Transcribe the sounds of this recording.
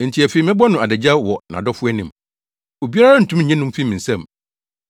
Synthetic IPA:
n̩˨tʰi˨˦æ˨fe˨i˨mɪ̃˦bɔ˦nʊ̃˨a˨dɛ˨d͡ʑa˦wɔ˨nã̰˨dɔ˦fʊ˦ɛ˦nĩ˨m | o˨bi˦a˦ɾa˦a˦n̩˨tʰũ˦m˦ɲ̩˨ɲɛ̃˦nʊ̃˦m˦fi˦mĩ˨n̩˨sɛ̃˦m

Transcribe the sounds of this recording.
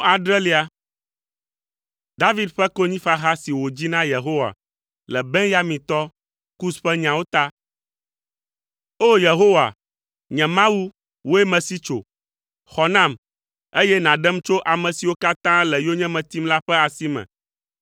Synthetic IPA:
a˨ɖɾɛ˦li˦a˦ | d̪a˦vi˦d̪ɸɛ˦ko˦ɲĩ˦fa˦ɦa˦si˨wo˨d͡ʑi˦nã˦je˨ɦo˦wa̰˨ | lɛ˨bɛ̃˦ja˦mĩ˨t̪ɔ˦ | ku˦sɸɛ˦ɲã˨wo˦t̪a˦ | o˦je˨ɦo˦wa̰˨ | ɲɛ̃˨mã˦wu˦ | wo˦ɛ˦mɛ̃˨si˦t͡ʃo̰˨ | xɔ˨nã˦m | e˦jɛ˦nã˨ɖɛ˦m˦t͡ʃo˦ʔa˨mɛ̃˨si˨wo˦ka˦t̪ã˦lɛ˨jo˦ɲɛ̃˦mɛ̃˨t̪i˦mla˦ɸɛ˦a˨si˦mɛ̰̃˨

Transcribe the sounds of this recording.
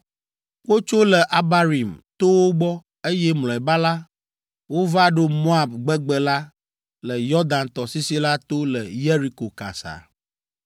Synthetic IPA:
wo˦t͡ʃo˦lɛ˨ʔa˦ba˦ɾi˨mt̪o˦wo˦ɡ͡bɔ˦ | e˦jɛ˦mlɔ̃˨ɛ˨ba˦la˦ | wo˦va˦ɖo˦mo˦a˨b̚ɡ͡bɛ˦ɡ͡bɛ˦la˦ | lɛ˨jɔ˦d̪a˨nt̪ɔ˨si˦si˦la˦t̪o˦lɛ˨je˦ɾi˦ko˨ka̰˨sa̰˨

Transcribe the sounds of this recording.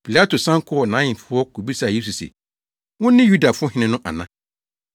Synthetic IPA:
pʰi˨la˦tʰo˨sã˦ŋ̩˦kʰʊ˦ɔ˨nã˨˦ɲɪ̃˨fʊ˦ɔ˦kʰo˨bi˦sa˦˨je˦s̬u˨sɛ̰˨ | wʊ̃˦nɪ̃˦ju˦da˨fʊ˦ɔ˦ɦɪ̃˦nɪ̃˦nʊ̃˦ʔa̰˨nã˦

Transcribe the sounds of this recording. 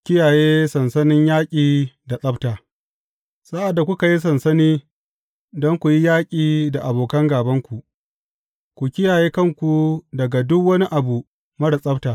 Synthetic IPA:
kʲɪ˦jaː˨jeː˦sɐ˨nsɐ˦nɪ˦ɲjaː˦kʲʼiː˨da˨sʼɐ˦btaː˨ | sa˦ʔa˨dːa˨kʷʊ˦ka˨ji˦s̬ɐ˨nsɐ˦niː˦ | dɔ˦ŋkʷu˨ji˦jaː˦kʲʼiː˨da˨ʔa˨boː˨kɐ˦ŋɡaː˨bɐ˦ŋkʷu˨ʔ | kʷu˨kʲɪ˦jaː˨jeː˦kɐ˦ŋkʷu˨dɐ˨ɡa˨dʊ˦kwɐ˦ni˦ʔa˨bu˨ | mɐ˦ɽa˨sʼɐ˦btaː˨

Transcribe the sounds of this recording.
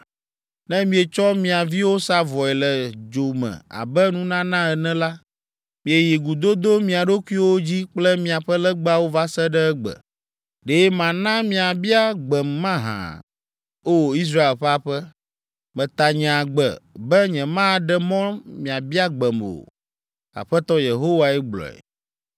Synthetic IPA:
nɛ̃˦mĩ˦e˨t͡ʃɔ˦mĩ˨a˨vi˦wo˦sa˦vɔ˨ɛ˨lɛ˨d͡ʒo˨mɛ̰̃˨a̰˨bɛ˦nũ˦nã˦nã˦ɛ˨nɛ̃˦la˦ | mĩ˨e˨ji˨ɡu˨d̪o˦d̪o˦mĩ˨a˨ɖo˦ku˦i˦wo˦d͡ʑi˦k͡plɛ˦mĩ˨a˨ɸɛ˦lɛ˦ɡ͡ba˦wo˦va˦sɛ˦ɖɛ˦ɛ˦ɡ͡bɛ̰˨ | ɖe˨˦jɛ˦mã˨nã˦mĩ˦a˨bi˦a˦ɡ͡bɛ˨mːã˦ɦã̰˨ | o˦wi˦s̬ɾa˦e˨lɸɛ˦a˦ɸɛ˦ | mɛ̃˨t̪a˨ɲɛ̃˨a˨ɡ͡bɛ̰˨bɛ˦ɲɛ̃˨mã˦˨ɖɛ˦mɔ̃˦mĩ˨a˨bi˦a˦ɡ͡bɛ˨mo̰˨ | a̰˨ɸɛ˦t̪ɔ˦je˨ɦo˦wa˨ɛ˦ɡ͡blɔ̰˨ɛ̰˨

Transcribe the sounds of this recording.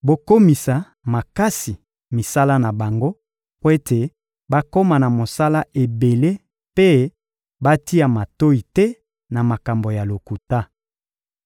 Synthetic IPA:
bo˨ko˦mi˨sa˨ | ma˨ka˦si˨ | mi˨sa˦la˦na˨ba˨ŋɡo˦ | po˦e˦tʰe˨ | ba˦ko˦ma˨na˨mo˨sa˦la˦ʔe˨be˨le˦ | pe˦ | ba˦ti˦a˨ma˨to˦i˨tɛ˦ | na˨ma˨ka˨mbo˨ja˨lo˨ku˨ta˦

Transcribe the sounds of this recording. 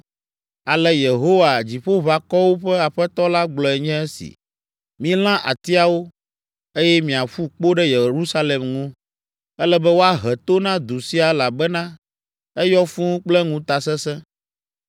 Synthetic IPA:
a˨lɛ˨je˨ɦo˦wa˨d͡ʑi˨ɸo˦βa˨kɔ˦wo˦ɸɛ˦a˨ɸɛ˦t̪ɔ˦la˦ɡ͡blɔ˨ɛ˨ɲɛ̃˦ɛ˦sḭ˨ | mĩ˦l̃ã˦ʔa̰˨t̪i˦a˨wo˦ | e˦jɛ˦mĩ˨a˨ɸu˦k͡po˦ɖɛ˦je˨ɾu˦sa˦lɛ˨mŋũ˦ | ɛ˦lɛ˦bɛ˦wo˦a˦ɦɛ˨t̪o˦nã˦d̪u˨si˦a˨˦la˨bɛ˦nã˦ | ɛ˦jɔ˦fũ˦ũ˦k͡plɛ˦ŋũ˦t̪a˨sɛ˦sɛ̃˦

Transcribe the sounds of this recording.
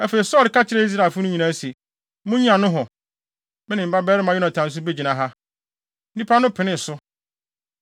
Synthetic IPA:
æ˦fe˨i˨sɔ˦lɪ˨kʰa˦t͡ɕʰɪ˨ɾe˦i˦s̬ɾa˨fʊ˦nʊ̃˦ɲĩ˨nã˦se˨ | mʊ̃˦ɲĩ˦ã˨nʊ̃˦ɦɔ˨ | mɪ̃˦nɪ̃˨m̩˨ba˦bɛː˦ɾɪ˦mã˨jɔ˦nã˨tʰã˨n̩˦s̬ʊ˦be˦d͡ʑi˨nã˨ɦa˦ | n̩˦nĩ˦pʰa˦nʊ̃˦pʰɪ˨nɪ̃˦˨sʊ˦

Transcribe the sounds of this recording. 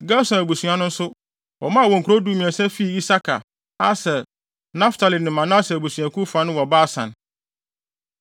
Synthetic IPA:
ɡa˦sã˨æ˨bu˨sũ˨ã˨nʊ̃˦n̩˦sʊ˦ | wɔ˨mã˦˨wɔ̃˨ŋ̩˨kʰɾo˦du˦mĩ˨ɛ˨sɛ̃˦fi˦˨i˦sa˦kʰa̰˨ | a˦sɛ˨ | nã˦ftʰa˨li˨nɪ̃˨mã˨nã˦sɛ˨bu˨sɥa˨kʰu˦fa˨˦nʊ̃˦wɔ˨baː˦˨sã̰˨n

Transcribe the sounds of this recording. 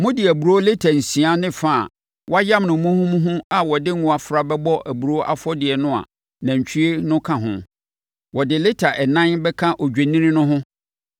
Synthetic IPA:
mʊ̃˦dɪ˨æ˨bu˨ɾo˦le˦tʰa˨n̩˨sĩ˨a˦nɪ̃˦fa˦˨ | wɔ˦a˦jã˦mnʊ̃˨mũ˦hũ˦m̃˦ɦʊ̃˦a˨wɔ˨dɪ˦ŋʊ̃˨a˨fɾa˨bɛ˦bɔ˦ʔæ˨bu˨ɾo˦ʔa̰˦fɔ˦dɪ˨ɛ˨nʊ̃˦a̰˨ | nã˨ɲ̩˨t͡ɕʰᶣi˦e˦nʊ̃˦kʰã˨ɦʊ̰̃˨ | wɔ˨dɪ˨le˦tʰa˨ʔɛ˨nã˦nbɛ˦kʰã˦ʔɔ˨d͡ʑᶣe˨nĩ˦ɾĩ˦nʊ̃˦ɦʊ̃˦

